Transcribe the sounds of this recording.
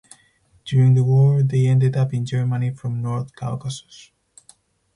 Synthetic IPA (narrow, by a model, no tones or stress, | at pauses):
d̥juɹɪ̃ŋðəwɔɹðeɛ̃ndɨdʌpɪ̃nd͡ʒɛɹmənifɹɔ̃mnɔɹθkʰalkasɔ̥s